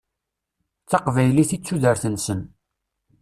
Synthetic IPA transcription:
t͡sːɑqvæjliθit͡sːuðəɾθənsən

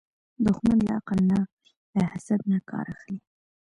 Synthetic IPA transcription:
d̪ʊxmanla̰aqalna | ləhasad̪̚nakʰɑ̰ɾaxli

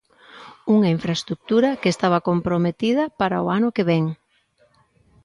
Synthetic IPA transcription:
uŋaiɱfɾaest̪ɾuk̚t̪uɾɐkeest̪aβ̞ɐkompɾomet̪iðɐpaɾa̰oanʊkeβɛŋ

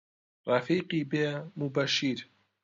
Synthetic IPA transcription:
rɐfiːqiːbeːmubɐʃiːɾ

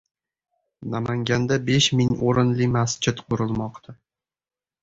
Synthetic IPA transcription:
namaŋɡʲand̪abeʃmɪŋoɾɪnlɪmast͡ʃʰɪt̪qʰʊɾɪlˠmɒqt̪ʰa

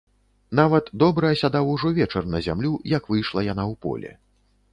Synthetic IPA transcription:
n̪avɐt̪d̪ɔbɾɐɐsʲad̪awuʐɔvʲɛt͡ʂɐrnɐzʲa̰mlʲujɐkvɨjʂlˠɐjan̪awpɔ̰lʲɛ̰

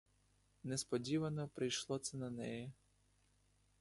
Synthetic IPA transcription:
nɛspɔdʲiʋɐnɔpɾɪjʃlˠɔt̪sɛnɐnɛjɛ

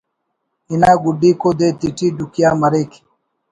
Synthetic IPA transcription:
inaːɡuɖiːkod̪eːt̪iʈiːɖukjaːmɐɾek

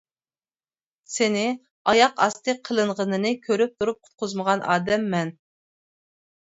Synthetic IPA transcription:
sɪnɪ | ɑjɑqɑst̪ʰɨqʰəlˠɨɴʁənɨnɨkʲʰøɾyp̚t̪ʰuɾup̚qʰʊ̥t̪̚qʊzməʁɑnʔɑ̰ːd̪ɛmːɛn

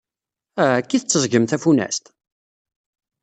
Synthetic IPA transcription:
kːiθət͡sːəzˤɡəmθæfunæ̰st̪

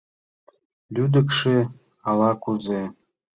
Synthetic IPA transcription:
lʲyd̪ə̆kʃe | ɑlɑkuze

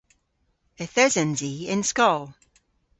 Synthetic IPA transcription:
əθɛzə̃nziɪ̃nskɔlˠ

